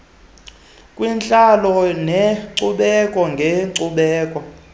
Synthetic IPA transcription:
kʼwint͡ɬʼalɔneǀuɓɛkʼɔŋɡʱeǀuɓɛːkʼɔ

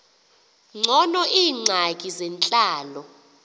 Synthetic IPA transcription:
ŋ͡ǀʱɔnɔʔiːŋ͡ǀʱakʼizɛnt͡ɬʼaːlɔ

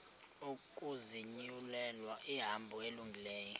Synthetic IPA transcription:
ukʼuziɲiulɛlwaʔiɦambʱɔeluŋɡʱilɛːjɔ

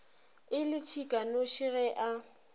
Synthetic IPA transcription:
ɪlɪt͡ʃʰikʼanoʃiɣɛʔa

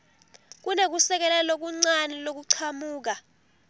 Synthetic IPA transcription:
k̬unek̬usɛk̬ɛlɛlok̬uŋ͡ǀanɛlok̬uǀʰamuːk̬a

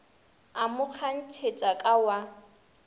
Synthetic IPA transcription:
amʊk͡xʰan̩t͡ʃʰet͡ʃʼakʼawa

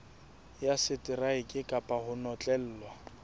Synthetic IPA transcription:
jasɪtʼɪraɪkʼɪkʼapʼahʊnɔt͡ɬʼɛl̩ːlwa

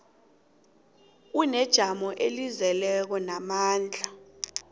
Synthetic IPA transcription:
unɛd̥ʒ̥ʱamɔʔelizɛlɛk̬ɔnamaːnd͡ɮʱa

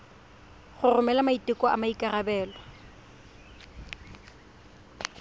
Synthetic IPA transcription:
χʊrʊmɛlamaitʼɪkʼɔa̰maikʼarabɛːlɔ

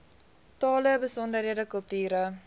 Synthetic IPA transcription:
tɑːləbəsɔndəɾiədəkəlˠtyːɾə

